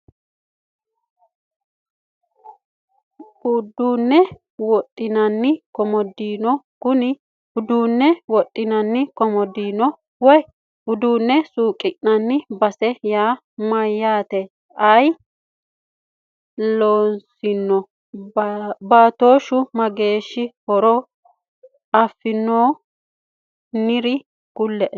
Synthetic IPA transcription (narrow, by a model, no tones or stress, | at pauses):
ʊd̪uːnːɛ | wɔt̪ʼːɪnɐnːɪkɔmɔd̪iːnɔ | ɡ̥ʊnɪ | ʊd̪uːnːɛwɔt̪ʼːɪnɐnːɪkɔmɔd̪iːnɔ | wɔj | ʊd̪uːnːɛsuːkʼɪnnɐnːɪbɐsɛjaː | mɐjːaːt̪ɛ | ɐj | loːnsɪnːɔ | baːt̪o̞ːʃʊmɐɡe̞ːʃːɪhɔɾɔ | ɐfːɪnːoː | nɪɾɪ | ɡ̥ʊlːɛʔɛ